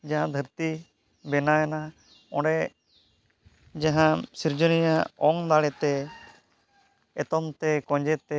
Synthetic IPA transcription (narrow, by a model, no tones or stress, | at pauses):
d͡ʒaɦãd̪ʱəɾt̪i | bɛnaɛna | ɔ̃ɖɛ | d͡ʒaɦãsiɾd͡ʒɔnijaɔŋd̪aɽɛt̪ɛ | ɛt̪ɔmt̪ɛkɔ̃d͡ʒɛt̪ɛ